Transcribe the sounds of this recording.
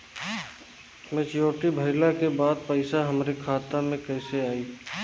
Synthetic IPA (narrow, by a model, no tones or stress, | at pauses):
mẽt͡ʃjoːʈibʱɐɪlakebaːd̪̚pəɪsaɦɐmɾekʰaːt̪amẽkɛɪseaːiː